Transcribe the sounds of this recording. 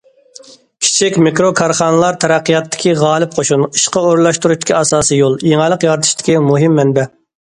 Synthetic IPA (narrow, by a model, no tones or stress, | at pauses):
kʲʰi̥t͡ʃʰikʲmikɾokʰɑɾχɑːnɨlˠɑɾt̪ʰɛɾæqʰːijɑt̪ʰːɪ̥kʲiʁɑːlˠɨp̚qʰoʃuni̥ʃqɑoɾlˠɑʃt̪uɾuʃt̪ɪ̥kʲʰiɑsɑːsijolˠjeŋɛlˠəqjɑɾt̪ʰɨ̥ʃt̪ɪ̥kʲimuɦɪmːɛnbɛ